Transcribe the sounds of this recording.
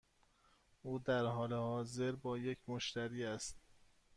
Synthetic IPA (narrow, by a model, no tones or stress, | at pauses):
ʔuːd̪æɾɦɒːlehɒːze̞ɾbɒːje̞cʰmoʃt̪æɾiːæst̪̚